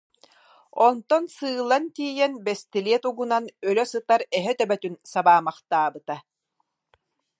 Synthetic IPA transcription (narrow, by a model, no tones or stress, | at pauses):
ɔnt̪ɔnsɯːlˠant̪iːjɛnbɛst̪iliɛt̪uɡunanœlœsɯt̪aɾɛɦɛt̪œbɛt̪ynsabaːmaχt̪aːbɯt̪a